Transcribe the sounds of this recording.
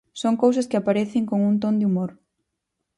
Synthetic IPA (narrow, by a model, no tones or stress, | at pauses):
soŋkows̬ɐskɪapaɾeθɪŋkoŋunt̪ond̪ɪumoɾ